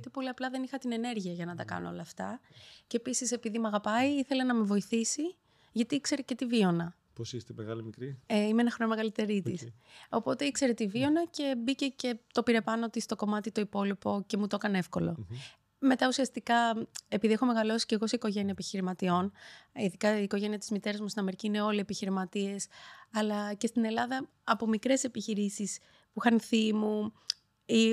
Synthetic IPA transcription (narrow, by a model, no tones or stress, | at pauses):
t̪epo̞liɐplɐðe̞nixɐt̪ine̞ne̞ɾʝiɐʝɐnɐt̪ɐkɐ̰noo̞lɐːft̪ɐcepisise̞piðimuɐɣɐpɐiiθe̞lenɐme̞vo̞iθisi | ʝɐt̪iikse̞ɾece̞t̪ivio̞nɐ | posist̪emeɣɐlimikɾieimeenɐxɾonomeɣɐlit̪e̞ɾit̪iso̞po̞t̪e̞ikse̞ɾe̞t̪ivio̞nɐce̞bice̞ce̞t̪o̞piɾe̞pɐno̞t̪ist̪o̞ko̞mɐt̪it̪o̞ipo̞lipo̞ce̞mut̪okɐne̞fko̞lo̞ | me̞t̪ɐusiɐst̪ikɐe̞piðiexo̞meɣɐlo̞si̥ce̞ɣo̞seiko̞ʝe̞niɐepiçiɾimɐt̪io̞niðikɐiko̞ʝe̞niɐt̪i̥zmit̪e̞ɾɐzmust̪inɐme̞ɾiciine̞o̞lie̞piçiɾimɐt̪ie̞sɐlɐce̞st̪ine̞lɐðɐ | ɐpo̞mikɾe̞se̞piçiɾisis | puixɐnθimu | i